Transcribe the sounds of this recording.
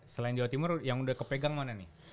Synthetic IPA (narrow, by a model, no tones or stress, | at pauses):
səlaɪnd͡ʒawat̪imʊrjaŋudahkəpeɡaŋmananɪh